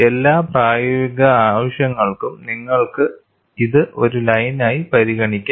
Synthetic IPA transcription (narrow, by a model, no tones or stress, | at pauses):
elːaːpraːjɐʋiɣɐaːʋɐɕjɐŋːɐɭkumniŋːɐɭkɨ | iðɨʔo̞ɾulɐjnaːjipɐɾiɣɐɳikʲːa